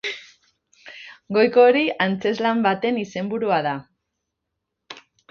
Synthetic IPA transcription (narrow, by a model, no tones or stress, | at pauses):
ɡo̞jko̞ɾiant͡se̞zlambat̪e̞nise̞mbuɾuaða